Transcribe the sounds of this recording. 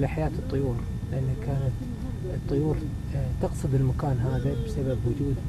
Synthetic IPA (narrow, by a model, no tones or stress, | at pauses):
laħajaːt̪ɨt̪ˤːʊjuːɾ | lɪʔanːhakaːnat̪ | ɨt̪ˤːʊjuːɾ | t̪ɑqsˤɨd̪ɪlmakaːnɦaːðabsababwʊd͡ʒuːd̪